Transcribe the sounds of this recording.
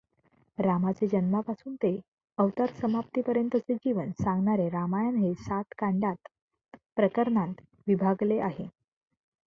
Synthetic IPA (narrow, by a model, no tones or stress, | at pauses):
ɾamat͡sed͡ʑənmapasuːnt̪e | əʋt̪aɾsəmap̚t̪ipəɾjənt̪ət͡sed͡ʑiʋənsãŋɡɳaɾeɾamajanɦesat̪kaɳɖat̪ | pɾəkəɾɳant̪ | ʋibʱaɡleʔaɦe